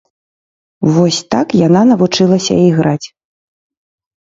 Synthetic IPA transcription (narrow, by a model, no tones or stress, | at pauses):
vɔsʲt̪akjananɐvut͡ʂɨlˠɐsʲɐ̰iɣɾat͡sʲ